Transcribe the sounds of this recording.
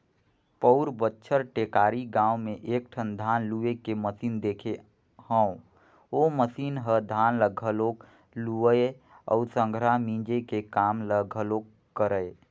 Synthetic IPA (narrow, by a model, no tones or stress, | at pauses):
pəʊɾbətːʃʰəɾʈeːkaːɾiɡãːwmẽʔeːk̚ʈʰənd̪ʱaːnluekeməsiːnd̪eːkʰe | hə̃ũ | oməsiːnɦəd̪ʱaːnləɡʱəloːk | luəe | ɔ̰ːsə̃ŋɡʱɾamĩd͡ʒekekaːmləɡʱəloːk | kːəɾə